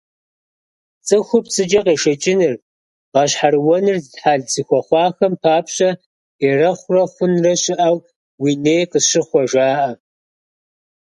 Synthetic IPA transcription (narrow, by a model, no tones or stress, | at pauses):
t͡sʼɨxʷʊpʰsʼɨd͡ʒɐqeːʃɐt͡ʃʼɪnɨr | ʁɑɕħarwɔnɨrzɨdħaːɮt͡sʰixʷɔχʷɑːxɐmpʰaːpʰɕɐ | erɐχʷrɐχʷʊnrɐɕɪʔaw | wineːjqəʃɨχʷɔʒʷaːʔɐ